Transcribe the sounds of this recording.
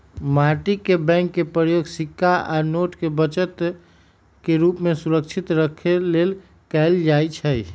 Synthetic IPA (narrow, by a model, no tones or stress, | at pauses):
maɾʈikːebɛ̃ŋkːepɾəjoɡsikʰːaʔanoʈkebət͡ʃət̪ | keɾupmesuɾək̚t͡ʃʰit̪ɾəkʰelel | kɛld͡ʒajt͡ʃʰəj